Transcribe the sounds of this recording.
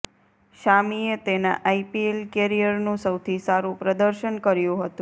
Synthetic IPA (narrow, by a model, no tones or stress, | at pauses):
ʃamiet̪ena̰ʔaipielkeɾijəɾnũsəwt̪ʰisaɾũpɾəd̪əɾʃənkəɾjũɦət̪ũ